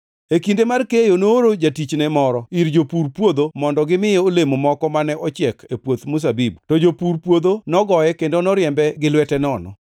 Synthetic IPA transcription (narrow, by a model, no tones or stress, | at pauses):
ekindemarkejonoɾod͡ʒatit͡ʃnɛmɔɾɔiɾd͡ʒopuɾpwod̪omɔndɔɡɪmɪjɛolemomɔkɔmanɛʔɔt͡ʃɪɛkʰepwot̪mʊs̬abibtod͡ʒopuɾpwod̪onɔɡɔjɛkendonɔɾjɛmbɛɡɪlwɛtɛnɔnɔ̰